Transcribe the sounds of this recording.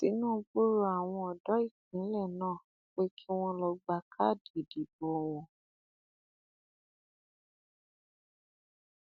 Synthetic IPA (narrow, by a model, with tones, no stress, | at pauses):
ti˨˦nũ˦˧bu˦ɾu˦a˨w̃ɔ̃˧ɔ˨dɔ˨˦i˦˨k̚ĩ˨˦lɛ˦˨nãː˦˨ | k͡pe˦kʰi˦w̃ɔ̃˧lɔ˧ɡ͡ba˧˨kʰa˦˨di˨di˨bo˨˦˨w̃ɔ̃˧